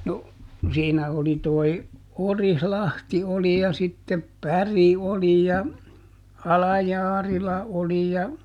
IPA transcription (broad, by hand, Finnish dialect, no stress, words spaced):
no siːnæ oli toi orihlɑhti oli jɑ sitːep pæri oli jɑ ɑlɑjɑːrilɑ oli jɑ